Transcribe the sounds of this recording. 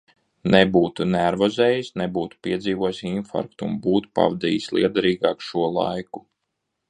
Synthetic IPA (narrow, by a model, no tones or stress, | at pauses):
nebuːt̪unæɾvɔzɛːjisnebuːt̪u̥piɛziːvuɔjsʲinfa̰ɾk̚t̪uṵnbuːt̪u̥pa̰vd̪ḭːjisʲlˠḭɛd̪aɾiːɡɑːkʃuɔlˠa̰jku